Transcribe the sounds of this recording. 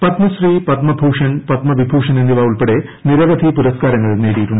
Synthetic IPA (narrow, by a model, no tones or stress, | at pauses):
pɐt̪mɐsriːpɐt̪mɐbʱuːʂɐnpɐt̪mɐʋibʱuːʂɐnend̪iʋaːuɭpeɽe | niɾɐʋɐd̪ʱipuɾɐskaːɾɐŋːɐɭneːɽijiʈːuɳɖɨ